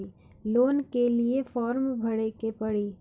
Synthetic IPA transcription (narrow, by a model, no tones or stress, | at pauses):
i | loːnkeliefɔːɾmbʱɐɽekepɐɽiː